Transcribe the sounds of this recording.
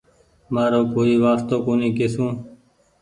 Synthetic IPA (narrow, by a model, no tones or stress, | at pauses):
maːɾoːkoːiːʋaːst̪õːkoːnĩːkesũː